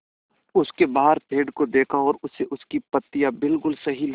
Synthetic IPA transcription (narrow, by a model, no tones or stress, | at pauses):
ʊskebaːɦəɾpʰeːɖkod̪eːkʰaɔːɾʊsːeʔʊskipɐt̪ːɪjabɪlkʊlsɐɦil